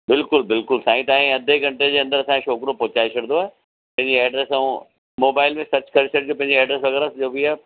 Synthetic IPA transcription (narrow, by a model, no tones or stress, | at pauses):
bɪlkʊlbɪlkʊlsãːĩt̪aːɦĩɐd̪ʱeɡɐ̃ɳʈed͡ʑeːɐ̃nd̪əɾɐsãẽʃɔːkɾopoːt͡ɕaːit͡ɕʰɐɽ̃noaːe | pɐ̃ɦɪ̃ɲd͡ʑiɛːɖɾeːsaũ | moːbaːɪlmẽsɐt͡ɕkɐɾʃəʈd͡ʑoːpɐ̃ɦɪ̃ɲd͡ʑiɛːɖɾeːsʋɐɣɛːɾasd͡ʑoːbiaː